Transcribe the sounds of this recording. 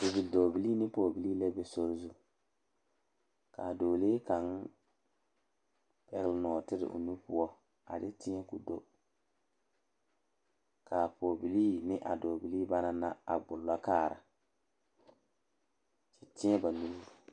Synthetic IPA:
dɪ˨bi˨do˨bi˨li˦nɪ˦po˨bi˨liː˦lɛ˦be˨so˦ɾzu˦ | ka˨doː˨leː˦ka˨˦n | pɛ˨ɣlnɔː˨tɪ˦ɾɪ̰˨ʔʊ̰˨nu˦pʊ˦ɔ˦ | a̰˨dɪ˦tɪ˦ɛ˦kʊ˨do˦ | kʰa˨poː˨bi˨li˦nɪ˦ʔa̰˨do˨bi˨liː˦ba˦na˦na˦a̰˨ɡ͡bʊ˨lːa˦kaː˦˨ɾa̰˨ | t͡ʃɛ˨tɪ˦ɛ˦ba˨nu˦ɾu˦ɾ

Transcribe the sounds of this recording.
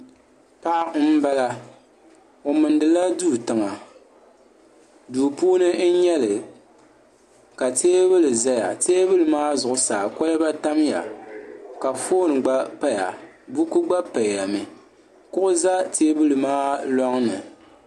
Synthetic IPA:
pa˦ʔ̩˦ba˦la˦ | o˨mɨ˨ndɨ˨la˦du˦˨tɨ˨ma˨ | duː˨puː˦nɨ˦n̩˦ɲɛ˦lɨ˨ | ka˨teː˦bɨ˦lɨ˨za˦ja̰˨teː˦bɨ˦lɨ˨maː˦zʊ˨ʔʊ˨saː˨kɔ˦lɛ˦ba˦ta˦mja̰˨ | ka˨foː˦nɨ˨ɡ͡ba˦pa˦ja̰˨ | bu˦ku˦ɡ͡ba˦pa˨a˨mi˨ | kʊ˦ʔʊ˦za˦teː˦bɨ˦lɨ˨maː˦lɔ˦ŋnɨ˨

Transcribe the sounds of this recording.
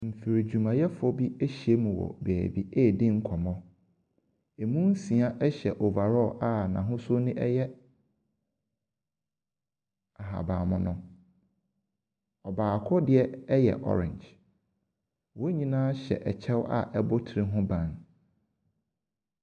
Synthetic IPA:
m̩˨fi˨ɾi˨d͡ʑu˨mã˨jɛ˦fɔ˦bi˦e˦ɕi˨e˦mũ˨wɔ̰˨bɛː˨bi˨e˦˨dɪ̃˦ŋ̩˦kʰɔ˨mɔ̃˦ | e˨mũ˦n̩˦sĩ˨a˦ʔɛ˦ɕɛ˨ʔɔ˨va˨ɾɔ˦˨ʔa˦˨nã̰˨ɦʊ̃˦sʊ˦nɪ̃˦ʔɛ˦jɛ˦ | a˨ɦa̰˨bãː˨mʊ̃˨nʊ̃˨ | ɔ˨baː˨kʰʊ˦dɪ˨ɛ˦ɛ˦jɛ̰˨ʔɔ̰˨ɾɪ̰̃˨ɲd͡ʒ | wɔ˦ɲĩ˦nãː˦ɕɛ̰˨ʔɛ˨t͡ɕʰɛ˦wa̰˨ʔɛ˦bɔ˦tʰɪ˨ɾĩ˦ɦʊ̃˦bã˨n

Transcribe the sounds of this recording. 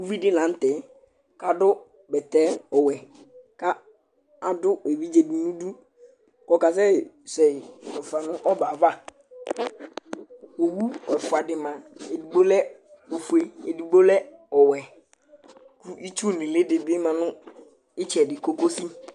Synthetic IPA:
u˦vi˦dɪ˦nã˨˦n̩˦tɛ˨ | ka˨dʊ˦ | bɛ˨t̪ɛ˦ɔ˨wɛ˨ | ka˦ | a˨dʊ˦e˨vi˦d͡ʒe˨bi˨nũ˦du˦ | kɔ˨ka˨s̬ɛ˦˨ | sɛ˨ɛ˨fa˨nʊ̃˦ʔɔ˦ba˨va˦ | o˨wu˦ɛ˨fʊ˨a˨dɪ˨mã˨e˨du˨ɡ͡bo˦lɛ˦o˨fu˨e˨e˨di˨ɡ͡bo˦lɛ˦ɔ˨wɛ˨ | ku˦ʔi˦t͡ʃu˦˨nɪ̃˨lɪ˦dɪ˨bɪ˦mã˨nʊ̃˦ | ɪ˦t͡ʃɛ˨dɪ˨ko˦ko˦si˦

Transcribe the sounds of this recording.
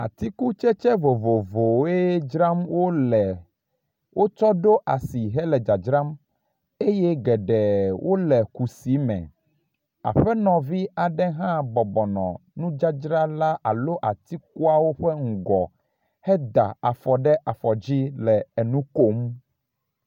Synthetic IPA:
a̰˨t̪i˦ku˦t͡ʃɛ˦t͡ʃɛ˦vo˨vo˨vo˨e˦d͡ʒɾa˦mwo˦lɛ˨ | wʔo˦t͡ʃɔ˦ɖo˦ʔa˨si˨ɦɛ˦lɛ˨d͡ʒa˨d͡ʒɾa˦m | e˦jɛ˦ɡɛ˨ɖɛ˨wʔo˦lɛ˨ku˨si˨˦mɛ̰̃˨ | a̰˨ɸɛ˦nɔ̃˨vi˦a˨ɖɛ˦ɦã˦bɔ˨bɔ˨nɔ̰̃˨nũ˦d͡ʒa˦d͡ʒɾa˦la˦a˨lo˦ʔa˨t̪i˦k̚u˦a˦wo˦ɸɛ˦ŋ̩˨ɡɔ˨ | hɛ˦d̪a̰˨a˨fɔ˨ɖɛ˦ʔa˨fɔ˨d͡ʑi˦lɛ˨ɛ˨nũ˦ko˦m

